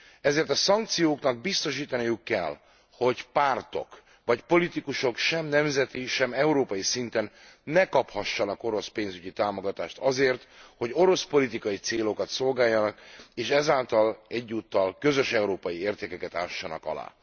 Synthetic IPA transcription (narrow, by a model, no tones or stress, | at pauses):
ɛzeːrt̪ɒsɒŋk̚t̪sijoːknɒɡ̚bist̪o̞ʃiːt̪ɒnijukːɛ̰l | ho̞ɟpaːrt̪o̞̰k | ʋɒcpo̞lit̪ikuʃo̞kʃɛmnɛmzɛt̪iʃɛmɛuɾoːpɒjisint̪ɛnː | ɛkɒphɒʃːɒnɒko̞ɾo̞speːnzyɟit̪aːmoɡɒt̪aːʃt̪ɒzeːrt̪ho̞ɟo̞ɾo̞spo̞lit̪ikɒjit̪seːlo̞kɒt̪so̞lɡaːjːɒnɒkeːʃɛzaːlt̪ɒlɛɟːuːt̪ːɒlkø̞zø̞ʃɛuɾoːpɒjieːrt̪eːkɛkɛt̪aːʃːɒnɒ̰kɒ̰la̰ː